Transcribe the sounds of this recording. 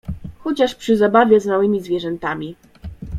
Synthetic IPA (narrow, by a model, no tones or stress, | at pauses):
xɔt͡ɕaʂpʂɘzabavʲjɛzmawɘmʲizvʲjɛʐɛnt̪amʲi